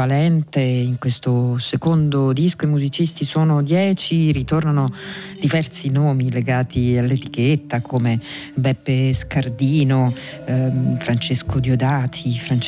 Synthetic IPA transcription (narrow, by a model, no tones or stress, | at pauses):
alɛnt̪eiŋkwest̪osekond̪od̪iskoimuzit͡ʃist̪isoːnod̪jɛːt͡ʃirit̪ornanod̪ivɛrsinoːmileɡaːt̪ialːet̪i̥k̟et̪ːakʰomebɛpːeskard̪iːno | fɾant͡ʃeskod̪jod̪aːt̪ʰifɾant͡ʃ